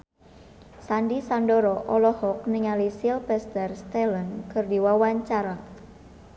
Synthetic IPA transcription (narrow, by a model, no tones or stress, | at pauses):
sandisandoɾɔʔɔlɔhɔk̚niŋalisilpɛst̪ɛrst̪ɛlənkʰərdiwawaɲt͡ʃaɾa